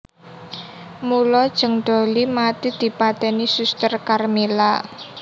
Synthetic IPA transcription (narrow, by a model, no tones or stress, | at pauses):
mulɔd̥ʒ̥ə̤ŋɖ̥o̤limat̪id̪̥i̤pat̪ɛnisust̪ərkarmila